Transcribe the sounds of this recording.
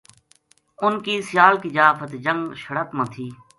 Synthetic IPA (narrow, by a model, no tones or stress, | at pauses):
ʊnkiːsɪjaːlkid͡ʒaːfʰət̪d͡ʒə̃ŋɡʃəɽət̪mãːt̪ʰiː